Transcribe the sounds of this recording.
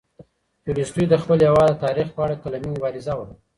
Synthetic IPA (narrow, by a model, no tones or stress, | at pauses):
tuɾistujd̪əxpəljawɑd̪at̪ɑɾixpəaɽakalamimʊbɑɾɪzawaɾ